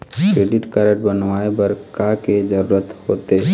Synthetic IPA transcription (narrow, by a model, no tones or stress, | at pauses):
kɾeːɖɪʈkəɾəʈbənʋaːebɐɾkaked͡ʒəɾuːɾət̪hoːt̪e